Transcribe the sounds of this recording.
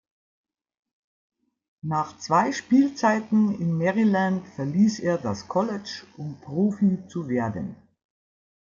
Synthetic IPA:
naːχt͡sv̥aɪʃpiːlt͡saɪtn̩ɪnmɛʁilantfɛɐliːseːɐdaskʰɔlɛt͡ʃʔʊmpʁ̥oːfit͡suveːɐdə̰n

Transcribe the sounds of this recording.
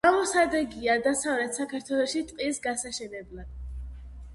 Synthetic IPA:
amɔsad̪ɛɡiad̪asavɾɛt̪ʰsakʰaɾt̪ʰwɛlˠɔʃit̪ʼqʼisɡasaʃɛnɛblˠad̪̥̚

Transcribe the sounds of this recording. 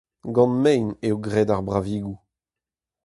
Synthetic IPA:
ɡɑ̃nmɛjneoɡʁɛːdaʁbʁaviːɡu

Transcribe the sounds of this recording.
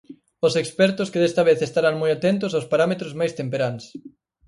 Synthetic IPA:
ʊsekspɛɾt̪ʊskɪðest̪ɐβeθest̪aɾaŋmojat̪ɛnt̪ʊs̬awspaɾamet̪ɾʊzmajst̪empeɾans

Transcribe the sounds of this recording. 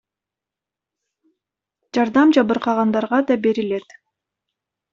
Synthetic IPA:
d͡ʒɑɾd̪ɑmd͡ʒɑβɯɾqɑʁɑnd̪ɑɾʁɑd̪ɑbe̞ɾile̞t̪

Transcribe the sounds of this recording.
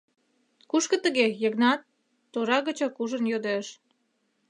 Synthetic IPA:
kuʃkə̆t̪əɣejəɣnɑt̪ː | oɾɑɣət͡ɕɑkuʒə̆njod̪eʃ

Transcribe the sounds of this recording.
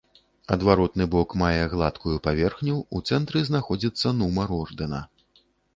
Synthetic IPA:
ɐd̪vaɾɔt̪nɨbɔkmajɛɣlˠat̪kujupavʲɛrxnʲuːt̪sɛnt̪ɾɨznaxɔd͡zʲit̪sːɐnumɐɾɔrd̪ɛnɐ

